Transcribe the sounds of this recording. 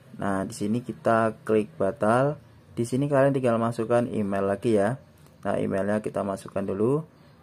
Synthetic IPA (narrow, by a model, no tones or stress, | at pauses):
nʔahdisinikit̪aklɪk̚b̥at̪al | d̥isinikaliaŋt̪iŋɡalmasukanḭmelːaɡija | na̰hḭmelɲakit̪amasukandulu